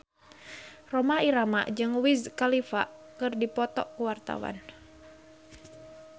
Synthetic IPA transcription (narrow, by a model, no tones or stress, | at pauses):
rɔmaiɾama̰ʔd͡ʒɨŋwizkalifa̰ʔkɨrdipɔt̪ɔ̰ʔkuwart̪a̰wa̰n